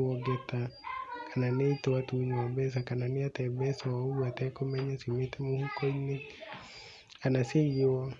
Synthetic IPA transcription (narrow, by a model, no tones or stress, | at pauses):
ɔɡɛtakʰananeitɔwatuɲwabɛs̬akananiatɛbɛsɔwauatɛkɔmɛɲasimetɛmuhukɔine | anasejɔ